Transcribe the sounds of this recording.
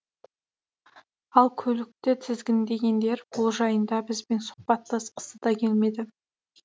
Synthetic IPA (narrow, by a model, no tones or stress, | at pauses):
ɑlˠkʲʰɵlɪk̚t̪ɪt̪ʰɪzɡʲɪnd̪e̞ɡʲe̞nd̪e̞ɾbolˠʒɑjənd̪ɑbɪzbe̞nsʊ̥χpɑt̪ləsqʰə̥səd̪ɑkʲʰe̞lme̞d̪ɪ